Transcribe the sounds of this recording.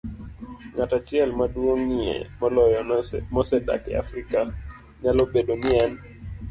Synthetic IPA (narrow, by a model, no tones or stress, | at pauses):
ŋatat͡ʃiɛlmaɗuɔŋiɛ̰mɔlɔjɔmɔsɛda̰kɛa̰fɾika | ɲalɔbɛɗɔnian